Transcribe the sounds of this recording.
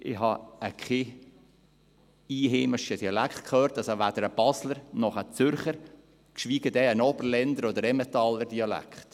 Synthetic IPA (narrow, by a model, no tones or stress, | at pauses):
ʔɪɦɑəkχɪ | iːɦɪːməʃədiɑlækχtkʰχøːɾt̪ɑsovæd̥̪əɾəb̥ɑsləɾnɔχət͡sʏɾχəɾ | kʃʋiːɡ̥əd̪ɛənɔbəɾlɛnd̪əɾɔd̪əɾɛmɛt̪ɑləɾdiɑlæ̰kχt̪